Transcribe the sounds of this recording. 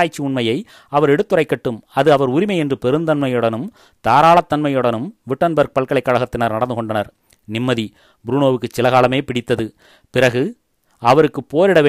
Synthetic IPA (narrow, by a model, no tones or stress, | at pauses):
aːjt͡ʃːiʊɳmɐjɐɪ | ɐʋɐɾɛɽɯt̪ːɯrɐɪkːɐʈːɯmɐðɯɐʋɐɾʊɾɪmɐɪɛndrɯpɛɾɯnd̪ɐnmɐjɯɽɐnɯm | t̪aːɾaːɭɐt̪ːɐnmɐjɯɽɐnɯmʋɪʈːɐnbɐɾk̚pɐɭkɐɭɐɪkːaːɻɐɣɐt̪ːɪnɐɾnɐɽɐnd̪ɯkɔɳɖɐnɐɾ | nɪmːɐði | bɾuːɳoːʋɯkːɯsɪlɐɣaːlɐmeːpɪɽɪt̪ːɐðɯ | pɪɾɐɣɯ | ɐʋɐɾɯkːɯpːoːɾɪɽɐʋeː